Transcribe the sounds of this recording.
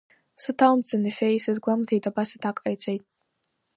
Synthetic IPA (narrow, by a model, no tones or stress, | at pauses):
sɨtʰalmt͡sʰʼɨnɨfejsɨzɡʷamzejtʼabasatʰakʼajt͡sʷʼejtʼ